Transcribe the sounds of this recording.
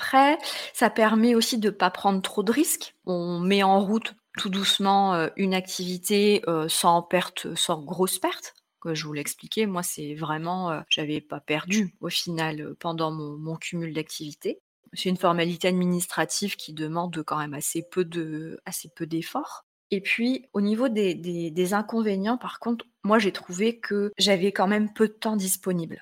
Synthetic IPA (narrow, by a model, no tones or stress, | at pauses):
apχɛsapɛʁmɛosid̪əpapχɑ̃d̪ʁt̪χod̪əʁiskɔ̃mɛɑ̃ʁut̪ː | ud̪usmɑ̃øynak̚t̪ʰivit̪eøsɑ̃pɛʁt̪sɑ̃ɡʁospɛʁt̪ | kəʒəvulɛksplikʲemwasɛvʁɛmɑ̃øʒ̥avɛpapɛʁd̪yofinaløpɑ̃d̪ɑ̃mɔ̃mɔ̃kʲʰymyld̪ak̚t̪ʰivit̪e | sɛt̪ynfɔʁmalit̪ead̪minist̪χat̪ivkʲʰid̪əmɑ̃d̪kɑ̃mɛmasepød̪əasepød̪efɔʁ | epɥionivod̪ed̪ed̪ezɛ̃kɔ̃venjɑ̃paʁkɔ̃t̪χ | mwaʒet̪χuvekʰəʒavɛkɑ̃mɛmpød̪ət̪ɑ̃d̪ispɔnibl